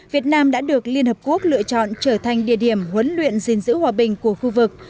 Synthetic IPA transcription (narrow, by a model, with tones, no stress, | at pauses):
vi˨˩ət̚naː˧mɗa̰ː˧˥ɗɨ˨˩ə˩k̚li˧ənhəː˨˩p̚ku˦˥ək̚lɨ̰˧˨ət͡ɕɔ̰˧˨nt͡ɕəː˧˩t̪ʰa˨˩ŋ̟ɗḭ˧˩əɗi˧˩əmɦwə˨˦nlwḭ˧˨ənzi˨˩nzɨ̰˧˥hwaː˨˩ɓï˨˩ŋ̟ku˧˩əxu˧vɨ˨˩k̚